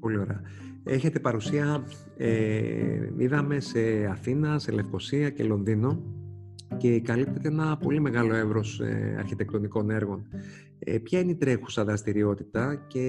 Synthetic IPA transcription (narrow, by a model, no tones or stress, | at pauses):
po̞lio̞ɾeɐ | e̞çe̞t̪e̞pɐɾusiɐ | e | iðɐme̞se̞ɐθinɐsele̞fko̞siɐce̞lo̞nðino̞ | ce̞kɐlip̚t̪e̞t̪eenɐpo̞lime̞ɣɐlo̞e̞vɾo̞sḛɐ̰ɾçit̪e̞k̚t̪o̞niko̞ne̞ɾɣo̞n | epçɐineit̪ɾe̞xu̥sɐðɾɐst̪iɾio̞t̪i̥t̪ɐce̞